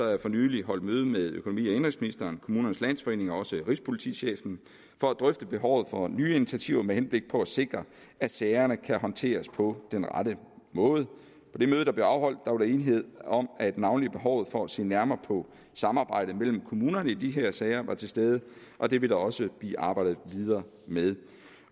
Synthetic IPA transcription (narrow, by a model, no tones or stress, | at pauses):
sɒ̽æjafɒ̽nyːliɦɒ̽l̰d̥møːð̞ˠəmeðˠøkʰo̝no̝mḭːæend̥ʁɐŋsminisd̥ɐːnkʰo̝muːnɐnəslæn̰sfɒe̝ːne̝ŋɒ̽ɒ̽səʁispʰo̝lit͡sʰḭɕḛːfn̩ | fɒ̽æd̥ʁœfd̥əb̥e̝ɦɒʊ̰ð̞̩ˠfɒ̽nyːini̥t͡sʰiæt͡sʰiʊ̰ɐmehenb̥le̝ɡ̥̚pʰɒ̽æse̝ɡ̥ʁɐ | æ̥sɛɪɐnəkʰæhɒ̽nt͡sʰe̝̰ːɐspʰɒ̽d̥enʁɑaɾəmɔ̽ːðˠ | pʰɒ̽d̥emøːð̞ˠəd̥ɑb̥leʊɑ̈ʊɦɒ̽l̰d̥̚ːɑ̈ʋɾɑe̝ːnɦe̝ð̞̰ˠɒ̽mæd̥nɑ̈ʊnlib̥e̝ɦɒʊð̞̩ˠfɒ̽æse̝̰ːnæɐmɐːpʰɒ̽ | sɑ̈mɑ̈ːb̥ɑ̈ɪ̰ɾ̥ð̩mel̰m̩kʰo̝muːnɐnəid̥iɦeɐ̰sɛːɪɐʋɑ̈t͡sʰe̝sd̥eð̞ˠəʔɒ̽d̥e̝ʋe̝d̥ɑɒ̽səb̥lḭːʔɑ̈ːb̥ɑ̈ɪ̰dð̩ˠʋið̞ˠɐː | með̞ˠ